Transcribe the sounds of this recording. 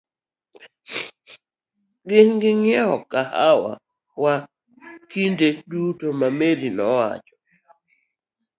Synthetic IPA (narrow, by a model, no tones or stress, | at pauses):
ɡɪŋɡɪŋɛɔkahawa̰ | wa | kindedutomameɾinɔwa̰t͡ʃɔ̥